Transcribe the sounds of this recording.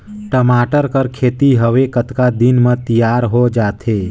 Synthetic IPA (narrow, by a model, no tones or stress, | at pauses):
ʈəmaːʈəɾkəɾkʰeːt̪iɦəʋekət̪kad̪inmət̪ijaːɾɦod͡ʒaːt̪ʰe